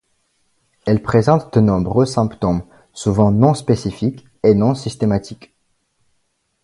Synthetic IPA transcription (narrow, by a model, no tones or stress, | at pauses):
ɛlpχezɑ̃t̪d̪ənɔ̃bʁøsɛ̃pt̪ɔm | suvɑ̃nɔ̃spesifik | enɔ̃sist̪emat̪ʰik